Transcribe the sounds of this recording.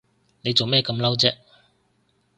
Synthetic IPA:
ne˨˧jt͡so˨wmɛː˥˧kɐ˧mlɐ˥wt͡sɛː˥

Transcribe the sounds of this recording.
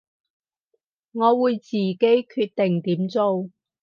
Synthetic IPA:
ŋɔː˨˧wuː˨˧jt͡siː˨˩ke˨˥jkʰyː˧t̚t̪ɪ˨˩ŋt̪iː˨˥mt͡so˧w

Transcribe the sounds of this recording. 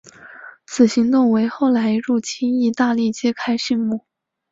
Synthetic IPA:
t͡sʰɹ̩˨˩ɕi˧˥ŋt̪ʊ˥˩ŋwe˧˥ɪxo˥˩ʊla˧˥ɪɻu˥˩t͡ɕʰi˥ni˧˥˧t̪a˥˧li˥˩t͡ɕjɛ˥kʰa˥ɪʂi˥˧nmu˥˩

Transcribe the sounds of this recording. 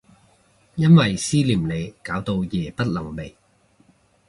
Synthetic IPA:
jɐ˥nwɐ˨jsiː˥liː˨˩mne˨˧jkaː˨˥wt̪o˧wjɛː˨˩pɐ˥t̚lɐ˨˩ŋme˨˩j

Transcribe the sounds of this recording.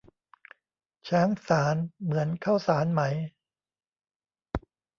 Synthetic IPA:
t͡ɕʰaː˦˥ŋsaː˩˦nmɯ˩˦ənkʰa˥˩wsaː˩˦nma˩˦j

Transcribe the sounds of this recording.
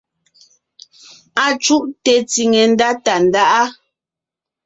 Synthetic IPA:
a˨t͡ʃu˦ʔtɛ˨ti˨ŋɛ˨n˦da˦ta˨n˨da˦ʔa˦

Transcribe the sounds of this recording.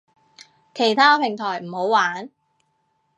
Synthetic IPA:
kʰe˨˩jt̪ʰaː˥pʰɪ˨˩ŋt̪ʰɔː˨˩jm̩˨˩ho˨˥wwaː˨˥n

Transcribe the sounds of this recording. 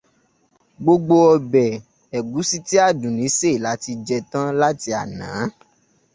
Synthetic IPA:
ɡ͡bo˧ɡ͡bo˧ɔ˧bɛ˨ | ɛ˨ɡu˨˦si˦ti˦a˦˨dũ˨nĩ˨˦se˦˨la˨˦ti˧d͡ʒɛ˧tã˦la˦ti˧a˨nãː˨˦

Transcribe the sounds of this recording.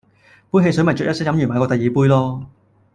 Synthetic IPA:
puː˥jɦe˧jsɵ˨˥mɐ˨˩jt͡ʃœ˨t̚jɐ˥tsk̚jɐ˨˥mjy˨˩maː˨˧kɔː˧t̪ɐ˨jiː˨puː˥jlɔː˥

